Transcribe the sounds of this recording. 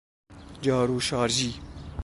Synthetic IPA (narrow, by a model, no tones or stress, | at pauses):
d͡ʑaːɾuːʃɑːɾd͡ʑiː